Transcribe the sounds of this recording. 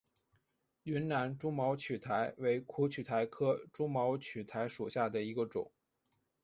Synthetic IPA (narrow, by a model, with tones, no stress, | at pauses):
y˧˥nna˧˥nʈ͡ʂu˥mɑ˧˥ʊt͡ɕʰy˨˩t̪ʰa˧˥ɪwe˧˥ɪkʰu˧˥t͡ɕʰy˨˩t̪ʰa˧˥ɪkʰɤ˥ʈ͡ʂu˥mɑ˧˥ʊt͡ɕʰy˨˩t̪ʰa˧˥ɪʂu˨˩ɕja˥˩d̪ə˩i˧˥ɡə˧ʈ͡ʂʊ̰˨˩˦ŋ